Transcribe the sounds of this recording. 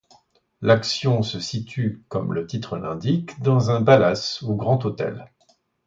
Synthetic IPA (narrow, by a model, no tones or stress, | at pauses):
laksjɔ̃səsit̪ykɔmlət̪it̪χəlɛ̰̃d̪ikd̪ɑ̃zɛ̃balasuɡʁɑ̃t̪ot̪ɛ̰l